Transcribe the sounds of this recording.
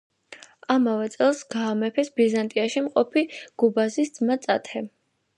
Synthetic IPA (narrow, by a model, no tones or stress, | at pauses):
amavɛt̪sʼɛlˠsɡaːmɛpʰɛsbizant̪ʼiaʃimqʼɔpʰiɡ̥ubazisd̪zmat̪sʼa̰t̪ʰɛ